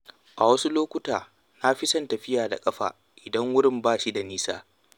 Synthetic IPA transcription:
ʔa˨wɐ˦su˦loː˦kʷʊ˦taː˨ | na˦ɸi˦sɐ˦ntɐ˨ɸɪ˦jaː˨da̰˨kʼɐ˦ɸa̰ː˨ | ʔɪ˨dɐ˦ŋwʊ˦ɾɪ˦˨mbaː˦ʃi˦da˨niː˦saː˦

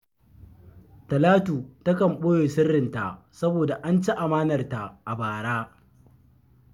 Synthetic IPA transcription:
tɐ˨laː˦tuː˨tɐ˦kɐ˨mɓoː˦joː˨sɪ˦rːɪ˨nta˨ʔ | sɐ˦boː˨da˨ʔa˦nt͡ʃe˦ʔa˨maː˦nɐ˨rta˨ʔa˨baː˨ɽaː˦

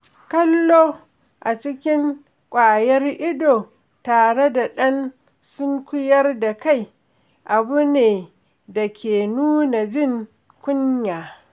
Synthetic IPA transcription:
kɐ˦lːoː˦ | ʔa˨t͡ʃɪ˦kʲɪ˦ŋ | kʷʼaː˨jɐ˦rʔɪ˦doː˨ | taː˨ɽe˦da˨ɗɐ˦n | sʊ˦ŋkʷʊ˦jɐ˦rda˨ka˦˨j | ʔa˨bʊ˦neː˨ | da˨kʲʰeː˨nuː˦na˨d͡ʒɪ˦˨ŋ | kʷʊ˦ɲjaː˨

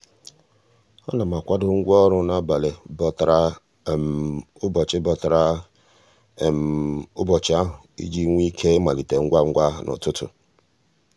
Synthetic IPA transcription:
ɔ̰˦na˨ma˨kʷa˦dʊ˦ŋ̩˦ɡʷɔ˦ɾʊ˦na˦ba˨le˨bɔ˨tɾa˦˨ | ʊ˦bɔ˨t͡ʃɪ˦bɔ˨tɾa˦˨ | ʊ˦bɔ˨t͡ʃɪ˦a˦ɦʊ˨ḭ˦d͡ʒi˦ŋʷ˦i˦kʰe˦ma˨li˨te˨ŋ̩˦ɡʷa˦ŋ̩˦ɡʷa˦˨nʔɔ̰˨tʊ˦tʊ̰˨

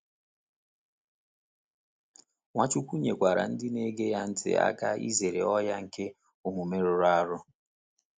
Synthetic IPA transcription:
ŋʷa˦t͡ʃu˦kʷu˦ɲe˨kʷa˨ɾa̰˨n̩˦dɪ˦ne˦ɡe˦ja˦n̩˦tɪ̰˦a̰˦ka˦ḭ˦ze˨ɾḛ˨ɔ˦ja˦ŋ̩˨ke˦ | u˨mu˨me˦ɾʊ˨ɾa˦ɾʊ˦

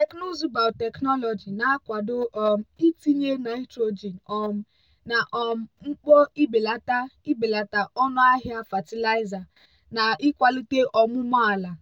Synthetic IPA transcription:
te˨kno˦zu˨ba˨wtɛ˨knɔ˦lɔ˨d͡ʒi˨na˨˦kʷa˨dʊ˦ɔ˨m̩˦i˦ti˦ɲe˦na˨˦i˦tɾo˨d͡ʒi˨nɔ˨m̩˦ | na˨ʔɔ˨m̩˨ŋ͡m̩˦k͡pɔ˦i˦be˨la˨ta˦i˦be˨la˨ta˨ʔɔ˦nʊ˦a˦ɦja˦fa˨ti˦la˦i˦za˨ | na˨ʔi˦kʷa˦li˦te˦ʔɔ˨mu˦mɔ˦a˨la˨

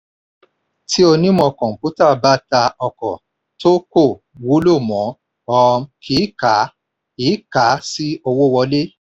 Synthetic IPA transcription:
ti˦o˧nĩ˦mɔ̃˧˨kɔ̃˨pu˨˦ta˦˨ba˦ta˧ɔ˧kɔ˨ | to˦ko˦˨ | wo˨˦lo˦˨mɔ̃˨˦ | ɔ˧m̩˧kʰi˨˦ka˨˦ | i˨˦ka˨˦si˦o˧wo˦˨wɔ˧le˦

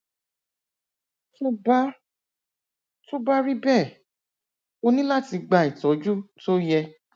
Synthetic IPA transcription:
to˦ba˦ | to˦ba˦ɾi˦bɛ˦˨ | o˧nĩ˦la˦ti˧ɡ͡ba˧˨i˨tɔ˨˦d͡ʒu˦to˦jɛ˧

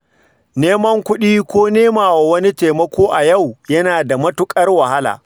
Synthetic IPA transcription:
neː˦mɐ˦ŋkʷʊ˦ɗiː˦kʷoː˦neː˦maː˨wa˨wɐ˦ni˦teː˨mɐ˦kʷoː˦ʔa˨jɐ˦˨wjɐ˦naː˨da˨mɐ˦tʊ˦kʼɐ˦rwɐ˨ha˦la̰ː˨

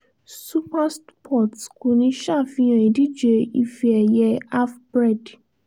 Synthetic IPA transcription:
su˦pa˦spʰɔ˦˨tko˨nĩ˧˦ʃa˦˨fĩ˧˦j̃ã˨i˨di˦d͡ʒe˧i˦˧fi˧ɛ˨jɛ˧a˦fbɾɛ˦˨d

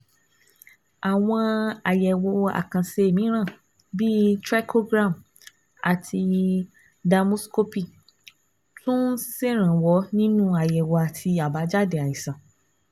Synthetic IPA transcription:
a˨w̃ɔ̃˧a˨jɛ˨wo˧a̰˨kã˨se˧e˨mĩ˨˦ɾ̃ã˦˨ | bi˦tɾɛ˦kʰo˦ɡɾã˦˨m | a̰˨tʰi˧ | da˧mu˦sko˦pi˦˨ | tũ˦n̩˦si˦se˦˨ɾ̃ã˨wɔ˨˦nĩ˦nũ˦a˨jɛ˨wɔ˨a˨tʰi˧a˨ba˨˦d͡ʒa˦de˨a˨i˨sã˨

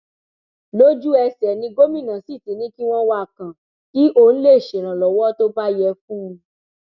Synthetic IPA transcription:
lo˦d͡ʒu˦ɛ˧sɛ˨nĩ˧ɡo˦mĩ˦˨nã˨si˦˨tĩ˨˦nĩ˦ki˦w̃ɔ̃˦wa˦˨kã˨ | ki˦ʔo˧˦ñ̩˦le˦˨ʃe˨ɾ̃ã˨lɔ˨wɔ˦to˦ba˦jɛ˧fũ˦˧

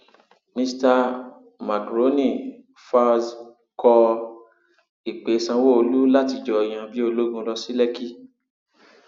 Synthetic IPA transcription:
mĩ˧sta˧ | ma˨kɾo˦nĩ˦˨ | fa˧z | kɔ˧ | i˨k͡pe˨˦sã˧wo˦o˧lu˦la˦ti˧d͡ʒɔ˧˨j̃ã˧bi˦o˧lo˦ɡũ˧lɔ˧si˦lɛ˦ki˦

